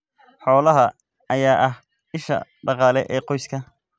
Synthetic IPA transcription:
ħɔːlɐɦɐ | ɐjaːʔɐh | ɪʃɐ̰ɖɑqɑːlɛʔɛːqɔjskʰɐ

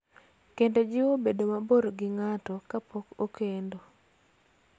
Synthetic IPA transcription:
kended͡ʒɪobedomaboɾɡɪŋatɔkapokokʰendo

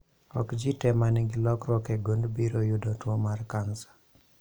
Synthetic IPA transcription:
ɔ̰kd͡ʒitɛmaniŋɡilɔkɾɔkɛɡondbiɾojʊdɔtwɔmarkansḁ

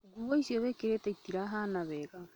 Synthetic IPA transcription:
ɡuβoisjoβekeɾetaitiɾaɦanaβɛɣa

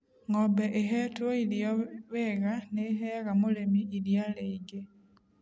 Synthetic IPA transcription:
ŋobeʔeɦetoiljoβeɣaneɦeɣamulemiːljaleiɡe

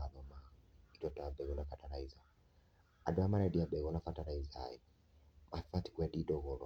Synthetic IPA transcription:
aðɔmaitɔtabɛɔnafataɾaiza | adamaɾadiabɛɔnafataɾaizaa̰jɔ | mafati̥kwadidɔɣɔlɔ

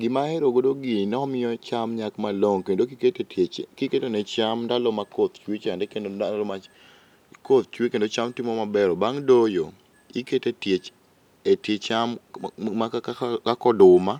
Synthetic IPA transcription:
ɡɪmaɛɾoɡodoɡɪnɛɔmɪjɔt͡ʃamɲakmaloŋkendokiketetekiketenɛt͡ʃamdalɔmakot̪t͡ʃwet͡ʃandɛkenoalɔma | kot̪̚t͡ʃwekendot͡ʃamtimomabɛɾɔbaŋdojo | iketetjet͡ʃ | etjet͡ʃammakakɔdʊma

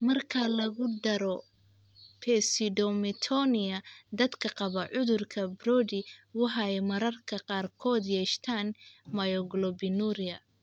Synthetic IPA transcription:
mɐrkʰɐlɐɣʊɖɐɾɔ | pʰɛsɪdɔmɪt̪ʰɔnɪɐd̪ɐd̪kʰɐqɑβɐʕʊðʊrkʰɐbrɔːdɪwɑħɑɛjmɐɾɐrkʰɐqɑːrkʰɔːd̪jɛːʃt̪ʰaːnmɐjɔɡlɔbɪnuɾɪɐ

